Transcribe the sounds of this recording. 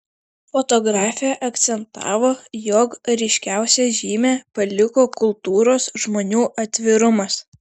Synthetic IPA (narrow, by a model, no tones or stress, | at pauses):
fot̪oːɡɾɑːfʲɪjɛʔɐkt̪sʲɛnt̪ɑ̰ːʋoːjɔkɾʲɛɪʃʲkʲæˑʊsʲɛʒʲiːmʲeːpɐlʲɪkoːkʊlˠt̪uːɾoːsʒmoːnʲuːʔɐt̪ʲʋʲɪɾʊmɐs